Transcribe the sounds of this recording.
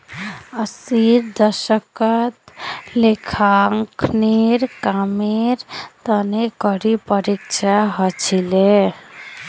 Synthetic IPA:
əsiɾd̪əʃəkət̪lekʰaŋkʰneɾkameɾt̪ənekɔɾipəɾik̚t͡ʃʰaɦɔt͡ʃʰile

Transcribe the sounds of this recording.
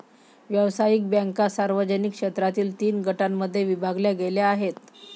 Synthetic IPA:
ʋjəʋsajik̚bjə̃ŋkasaɾʋəd͡ʑənikʂet̪ɾat̪iːlt̪iːnɡʱəʈamːəd̪ʱːjeʋibʱaɡljaɡeljaaɦet̪̚

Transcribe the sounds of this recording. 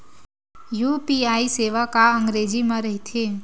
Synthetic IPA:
juːpiaːiseːʋakaə̃ŋɡɾeːd͡ʒimãɾɐɦit̪ʰeː

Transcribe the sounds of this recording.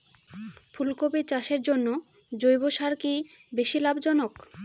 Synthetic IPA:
fʰulkobit͡ɕaʃeɾd͡ʑonːo | d͡ʑojboʃaɾki | beʃilabd͡ʑɔnok

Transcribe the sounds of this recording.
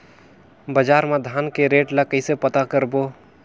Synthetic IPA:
bəd͡ʒaɾmed̪ʱankeɾeʈlakəɪsepət̪akəɾbo

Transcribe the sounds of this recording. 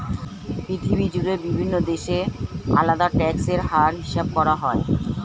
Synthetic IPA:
pɾit̪ʰibid͡ʑuɾebibʱinːod̪eʃea̰lad̪aʈɛkseɾɦaɾɦiʃab̚kɔɾaɦɔe

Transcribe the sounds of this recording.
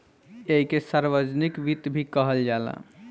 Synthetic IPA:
eɦikesaɾbəd͡ʒnikbit̪bʱikəɦəld͡ʒala̰

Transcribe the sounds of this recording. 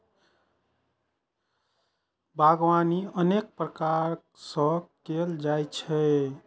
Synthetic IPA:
bʱaɡʋaniənek̚pɾəkaɾ | sə̃keld͡ʒajt͡ʃʰɛ

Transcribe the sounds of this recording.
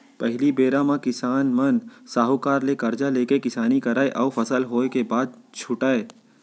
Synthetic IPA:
pɐɦlibeːɾamãkɪsaːnmənsaːɦukaːɾlekɐɾd͡ʒaleːkekɪsaːnikɐɾaːeʔɔːfɐsəlɦoːekebaːd̪̚t͡ʃʰʊʈaːe

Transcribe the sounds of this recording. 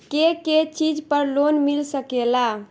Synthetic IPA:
keket͡ʃid͡ʒpəɾlonmilsəkela

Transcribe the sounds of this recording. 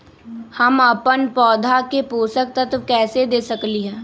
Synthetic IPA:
həməpənpɔːd̪ʱakepoːsək̚t̪ət̪ʰkɛːsed̪eːsəkliɦɛ̃ː

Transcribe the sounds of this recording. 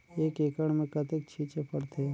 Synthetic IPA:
eːkekəɽ̃mẽkɐt̪ek̚t͡ʃʰit͡ʃepəɽt̪e

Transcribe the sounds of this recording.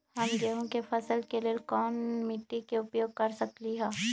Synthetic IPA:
hɐmɡeɦõkepʰɐsəlkelelkɔːnmɪʈːikeʊpjoːɡ̚kɐɾsɐkliɦɛː

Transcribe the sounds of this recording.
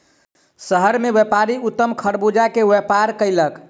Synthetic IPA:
səɦəɾmeʋepaɾiut̪ːəmkʰəɽbud͡ʒakeʋepaɾkəjlək

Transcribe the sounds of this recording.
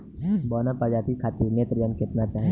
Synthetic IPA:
bɔnapad͡ʒat̪ikʰat̪inet̪ɾijanket̪̚nat͡ʃa

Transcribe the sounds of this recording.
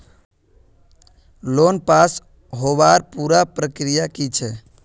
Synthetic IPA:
lonpas | ɦobaɾpuɾapɾəkɾijakit͡ʃʰɛ

